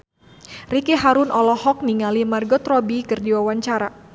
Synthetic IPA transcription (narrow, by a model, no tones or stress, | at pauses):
rikeɦaɾʊnɔlɔhɔk̚niŋalimarɡɔt̪rɔbikɨrdiwawaɲt͡ʃaɾa